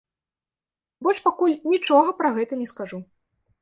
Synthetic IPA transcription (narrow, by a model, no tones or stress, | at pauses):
bɔʂpakulʲnʲit͡ʂɔɣɐpɾaɣɛt̪ɐnʲɛskaʐu